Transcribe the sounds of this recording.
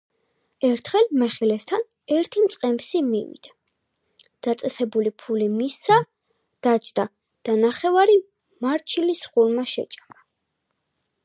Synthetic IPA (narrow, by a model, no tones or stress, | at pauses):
ɛɾt̪ʰχɛlmɛχilɛst̪ʰan | ɛɾt̪ʰimt̪sʼqʼɛmsimḭvḭd̪̥a | d̪̥at̪sʼɛsɛbulipʰulimissa | d̪̥at͡ʃʰd̪̥a | d̪̥anaχɛvaɾi | maɾt͡ʃʰilisχuɾmaʃɛ̰t͡ʃʼama